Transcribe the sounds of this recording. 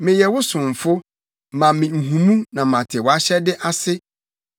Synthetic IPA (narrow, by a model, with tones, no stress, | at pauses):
mɪ̃˨jɛ˨wʊ˦sʊ̃˨m˨fʊ˦ | mã˨mĩ˨m̩˨ɦũ˨mũ˦nã˨mã˨tʰɪ˨wa˦ɕɛ˦dɪ˦ʔa˦sɪ˦